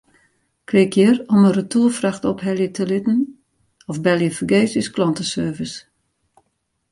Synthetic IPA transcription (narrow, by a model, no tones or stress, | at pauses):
kʰlɪkʰjərɔmərətʰulˠfraxtɔphɛlˠjətʰəlɪtn̩ | ɔfbɛlˠjəfəɡeːsysklɔntəsøːvəs